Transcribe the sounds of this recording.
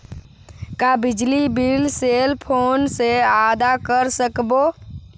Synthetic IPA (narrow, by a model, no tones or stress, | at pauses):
kabɪd͡ʒlibilseːlpʰoːnseaːd̪akəɾsəkboː